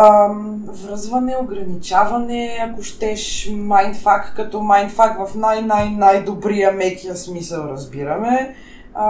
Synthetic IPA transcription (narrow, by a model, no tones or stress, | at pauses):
m | vɾəzvɐnɛoɡɾɐnit͡ʃavɐnɛɐkoʃt̪ɛʃmajnt̪fak̪kɐt̪ɔmajnt̪fakt̪vɐfnajnajnajd̪obɾijəmɛkiəsmisəlˠɾɐzbiɾɐmɛ